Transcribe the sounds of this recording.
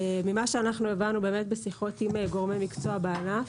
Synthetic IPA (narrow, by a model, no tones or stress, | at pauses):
mimaʃeanaχnuevanube̞ːme̞t̪̚besiχo̞t̪imeɡo̞ʁmemikt͡soabeanaf